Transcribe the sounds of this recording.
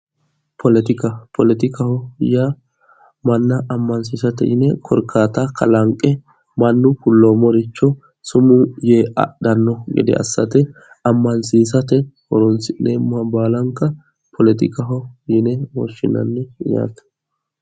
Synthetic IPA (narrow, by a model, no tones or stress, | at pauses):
pʰɔlɛt̪ɪkɐpʰɔlɛt̪ɪkɐhɔja | mɐnːɐʔːmːɐns̬iːsɐt̪ɛ̰jɪnɛkʰɔɾkʰːaːt̪ɐkɐlɐŋkʼɛ | mɐnːʊkʊlːoːmɔɾɪt͡ʃːɔ | sʊmʊjeɐ̰ɗɐnːɔɡɛ̰d̪ɛ̰ɐ̰sːɐt̪ɛ | ɐmːɐnsiːsɐt̪ɛwɔɾɔnsɪneːmːʊhɐbaːlɐŋkːɐ | pʰɔlɛt̪ɪkɐɦɔjɪnɛwɔ̰ʃːɪ̰nɐ̰nːɪja̰ːt̪ɐ̥